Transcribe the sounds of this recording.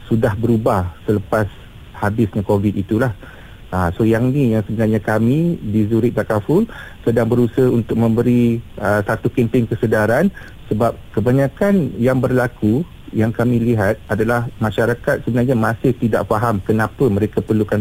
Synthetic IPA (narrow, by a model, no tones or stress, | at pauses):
sudahbəɾubahsələpas | habɪsɲakovit̪it̪ulah | asojaŋnijaŋsəbənarɲakamĩdizuɾɪt̪̚d̪akafʊlsədaŋbəɾusəhunt̪ʊk̚mə̃mbəɾiəsat̪ukimpiŋkəsədaɾan | səbap̚kəbaɲãkanjaŋbərlaku | jaŋkamĩliɦat̪̚adalahmãʃaɾakat̪̚səbənarɲamasɪht̪ida̰ʔfaɦamkənãpəmə̃ɾekapərlukan